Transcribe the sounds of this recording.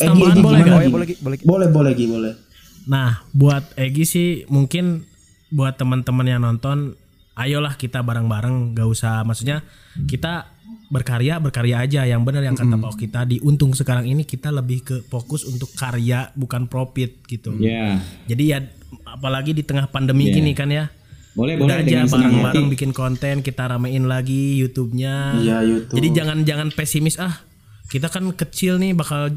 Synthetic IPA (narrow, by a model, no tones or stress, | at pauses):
seaɡiɡibɛaabbolɛhbolɛhɡibolɛh | nahbuat̪̚eɡisɪhmuŋkɪn | buat̪ːəmənt̪əmənjaŋnɔnt̪ɔn | ʔajolahkit̪abaɾəŋbaɾəŋɡausamaksuɲa | kit̪abərkaɾiabərkaɾiaːd͡ʒajaŋbənərjaŋkat̪apaukit̪adiʔunt̪ʊŋsəkaɾaŋinikit̪aləbɪhkəfokʊsunt̪ʊkːaɾiabukanpɾofɪt̪̚ɡ̥it̪uad͡ʒadija | apalaɡidit̪əŋahpandəmiɡinikanja | bolɛdad͡ʒabaɾaŋbaɾaŋbikɪnkont̪ɛnkit̪aɾamaɪnlaɡijut̪ub̚ɲajajut̪d͡ʒadid͡ʒaŋand͡ʒaŋanpesimɪsah | kit̪akankət͡ʃɪlnɪhbakal